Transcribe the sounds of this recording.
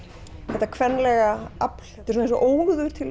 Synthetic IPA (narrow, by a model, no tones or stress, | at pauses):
θɛht̪ːakʰvɛnːlɛɣaapl̥ɛt̪ːɪ̥ɾsɔnensɔʔoːwɣðʏɾ̥t̪ʰɪl